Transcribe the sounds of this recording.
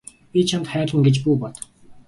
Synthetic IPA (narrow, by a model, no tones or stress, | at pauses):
pʲit͡ɕʰant̪χæːrɮə̆ŋɡet͡ɕpuːpɔt̪